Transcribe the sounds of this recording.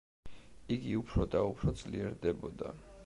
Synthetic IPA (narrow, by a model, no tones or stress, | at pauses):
iɡiupʰɾɔd̪aupʰɾɔd̪z̥liɛɾd̪ɛbɔd̪a